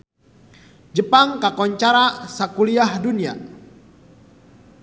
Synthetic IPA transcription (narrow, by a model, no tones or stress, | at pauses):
d͡ʒəpaŋkakɔɲt͡ʃaɾasakuliahdunia̰